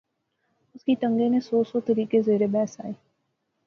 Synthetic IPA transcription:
ʊskit̪ɐ̃ŋɡenẽsɔːsɔt̪ɐɾiːkezeːɾebɛːsa̰ːeː

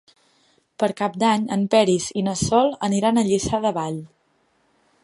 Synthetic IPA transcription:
pəɾkap̚d̪aɲə̰mpɛɾizinəsɔlˠəniɾanəʎisaðəβaʎ

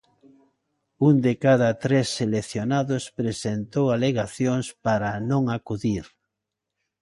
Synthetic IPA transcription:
und̪ekaðɐt̪ɾesːeleθjonaðʊspɾesent̪owaleɣaθjoŋspaɾanõŋakuðiɾ

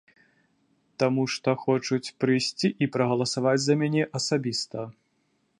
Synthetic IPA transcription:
t̪amuʂt̪ɔxɔt͡ʂut͡sʲpɾɨjsʲt͡sʲiʔipɾɐɣɐlˠɐsavad͡zʲzɐmʲanʲɛʔɐsabʲist̪ɐ

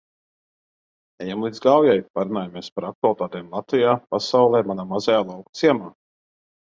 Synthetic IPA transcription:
ɛjamlˠid̪zɡawjajpaɾunaːjamiɛspaɾak̚t̪ualˠit̪aːt̪ɛːmlˠat̪vijaːpasawlˠɛːmanaːmazɛjaːlˠawkut̪siɛmaː

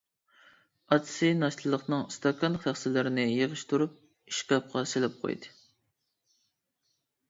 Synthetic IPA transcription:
ɑt̪ʰsɨnɑʃt̪ʰɨlˠəqnɨŋst̪ʰɑkʰɑnχæχsɪlɪɾɪnɪjeʁəʃt̪uɾup̚ | iʃkʲɑp̚qʰɑselɪp̚qʰo̰jd̪ɨ

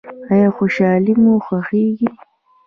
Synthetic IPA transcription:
ajɑxoʃɑːlimoxaxiɡi

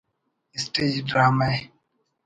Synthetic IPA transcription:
isted͡ʒdama

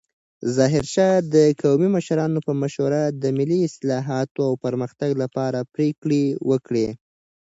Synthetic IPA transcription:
zɑɦɪɾʃɑd̪əkawmiməʃɾɑnopəmaʃwaɾad̪əmɪlːiɪslɑɦɑt̪oawpəɾməxt̪aɡlapɑɾapɾekɽewəkɽe

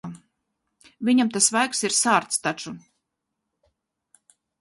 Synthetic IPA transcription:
vʲiɲamt̪asvajksiɾsaːɾt̪st̪at͡ʃu

